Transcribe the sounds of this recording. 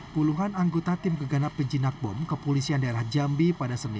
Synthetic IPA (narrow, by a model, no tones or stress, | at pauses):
puluɦanaŋɡot̪at̪ɪmkəɡanapːəɲd͡ʒinak̚bɔ̰mkəpolisiandaeɾahd͡ʒambipadasənḭ